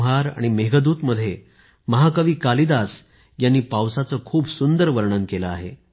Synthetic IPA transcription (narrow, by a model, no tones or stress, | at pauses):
ɦaɾa̰ɽ̃imeɡəd̪uːt̪məd̪ʱːje | məɦakəʋiːkalid̪as | janːiːpawsat͡səːkʰuːbsund̪əɾʋəɾɳənkeləa̰ɦḛ